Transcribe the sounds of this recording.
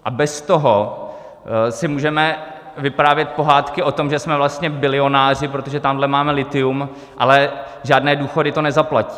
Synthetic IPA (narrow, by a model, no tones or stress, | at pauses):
ʔabɛst̪oɦo | sɪmuːʒɛmɛ | vɪpɾaːvjɛt̪̚po̞ɦaːt̪kɪʔo̞t̪o̞mʒɛsmɛvlast̪ɲɛbɪlɪo̞naːr̝ɪpɾot̪oʒɛt̪amdlɛmaːmɛlɪt̪ɪum | ʔa̰lɛ | ʒaːdnɛːduːxo̞dɪt̪o̞nɛzaplaci̥ː